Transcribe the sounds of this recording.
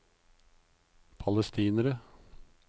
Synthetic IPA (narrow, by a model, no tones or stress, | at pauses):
pʰɑləst̪ʰiːnəɾə